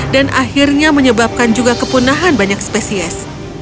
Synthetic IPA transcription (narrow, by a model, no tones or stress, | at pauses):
danʔahirɲaməɲəbap̚kand͡ʒuɡakəpunaɦanbaɲak̚spesiɛs